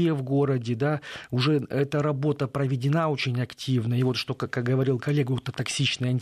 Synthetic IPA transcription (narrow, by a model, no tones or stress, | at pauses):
jəvɡo̞ɾədʲɪd̪aʊʐɛɛt̪əɾɐbo̞t̪əpɾəvʲɪdʲɪnao̞t͡ɕɪnʲɐktʲivnəivo̞t̪ʂt̪o̞kkːak̚ɡəvɐɾʲilˠkɐlʲːe̞ɡʊɛt̪ət̪ɐksʲit͡ɕnəjəɐnʲtʲ